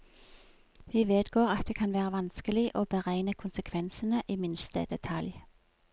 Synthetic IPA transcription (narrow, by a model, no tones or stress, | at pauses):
ʋiːʋeːd̪ɡoːʁɑt̪̚d̪eːkʰɑnʋæːʁəʋɑnskəlɪʔoːbəʁæɪnəkʰʊnsəkʰʋɛnsənəʔiːmɪnst̪ə̰d̪ɛt̪ʰɑlj